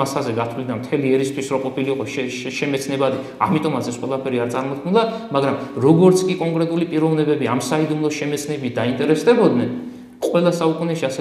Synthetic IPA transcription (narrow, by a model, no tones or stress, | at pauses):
asazɛɡat̪ʰwlid̪amt̪ʰɛliɛɾist̪ʰwisɾɔqʼɔpʰiliqʼɔʃʃɛmɛt̪sʰnɛbad̪i | a̰mit̪ʼɔmat̪sʰɛsqʼwɛlˠapʰɛɾiaɾt̪sʼaɾmɔt̪̚kʰnulˠamaɡɾamɾɔɡɔɾt̪sʰkʼikʼɔŋkʼɾɛt̪ʼulipʼiɾɔvnɛbɛbiamsaid̪umlˠɔʃɛmɛt̪sʰnɛbit̪̚ʰd̪aint̪ʼɛɾɛst̪ʼɛbɔd̪nɛn | qʼwɛlˠasaukʼunɛʃiasɛ